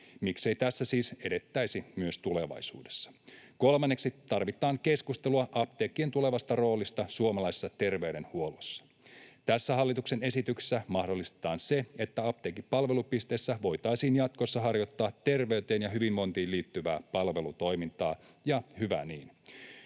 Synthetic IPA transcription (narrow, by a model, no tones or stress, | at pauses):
mikse̞it̪æsːæsiːse̞de̞t̪ːæjsimyøst̪ule̞ʋɑ̰jsṵːdesːɑ̥ko̞lmɑnːe̞ksiɑrʋit̪ˑɑːŋke̞skust̪eluɑʔɑp̚t̪eːkːie̞nt̪ule̞ʋɑst̪ɑro̞ːlist̪ɑsuomɑlɑise̥sːɑt̪erʋe̞yɾe̞nhuolosːɑ̥ | t̪æsːæɦɑlːit̪uksene̞sit̪ykse̥sːæmɑhdolːist̪e̥t̪ɑːnseet̪ːæɑp̚t̪eːkippɑlʋe̞lupist̪e̞ːsːæʋo̞jt̪ɑisiːnjɑt̪ko̞sːɑɦɑrjo̞t̪ːɑːt̪ːe̞rʋe̞yt̪eːnjɑɦyʋimmo̞nt̪iːnliːt̪ːyʋæːpɑlʋe̞lut̪o̞jmint̪ɑː | jɑhyʋæ̰niːn